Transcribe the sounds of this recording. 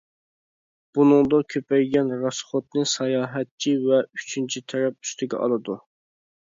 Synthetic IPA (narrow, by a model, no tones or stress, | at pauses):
b̥unɨŋd̪ɑkʲʰøpɛjɡʲɛnɾɑsχot̪̚nɨŋsɑjɑːɦɛt̪̚t͡ʃʰivɛyt͡ʃʰynt͡ʃʰit̪ʰɛɾɛp̚y̥st̪ɪɡʲɛ̰ʔɑ̰lˠɨd̪u